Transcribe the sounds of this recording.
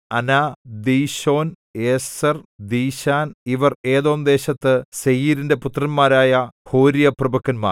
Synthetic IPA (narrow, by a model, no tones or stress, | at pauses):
ɐnaːd̪iːɕo̞ːn | eːsɐrd̪iːɕaːniʋɐreːðo̞ːmd̪e̞ːɕɐt̪ːɨsejiːɾinde̞put̪rɐnmaːɾaːjɐho̞ːɾijɐprɐbɐkːɐnma̰ːr